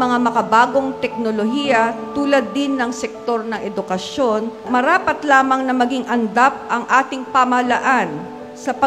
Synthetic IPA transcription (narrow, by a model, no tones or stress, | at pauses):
mɐŋamɐkɐbaːɡo̞ŋt̪ɛk̚noloɦijɐt̪uːlɐd̪ːɪnːɐŋsɛk̚t̪o̞ɾnɐŋʔɛd̪ʊkɐʃo̞nmɐɾaːpɐt̪laːmɐŋnɐmɐɡiŋʔɐnd̪ap̚ʔɐŋʔaːt̪ɪŋpamɐlɐʔan | sɐpɐ